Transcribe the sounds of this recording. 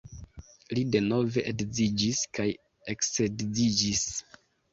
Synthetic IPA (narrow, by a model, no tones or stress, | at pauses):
lide̞no̞ve̞ʔedzid͡ʒiskaj | eksedzid͡ʒis